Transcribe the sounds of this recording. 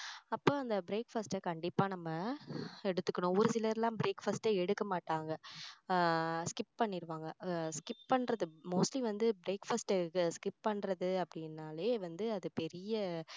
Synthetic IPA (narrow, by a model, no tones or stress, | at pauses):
ɐpːoːɐnd̪ɐbɪɾeːkfɐsʈɐkɐɳɖɪpːaːnɐmːɐɛɽɯt̪ːɯkːɐɳʊ̃ɔʋɔɾɯsɪlɐɾlãːbɪɾeːkfɐsʈeɛɽɯkːɐmaːʈːaːŋɡɐ | skɪp̚pɐɳːɪɾɯʋaːŋɡɐskɪp̚pɐɳːɾɐðɯmoːsʈliʋɐnd̪ɯbɪɾeːkfɐsʈkːɯskɪp̚pɐɳːɾɐðɯɐpːɐɽɪnːaːleːʋɐnd̪ɯɐðɯpɛɾɪjɐ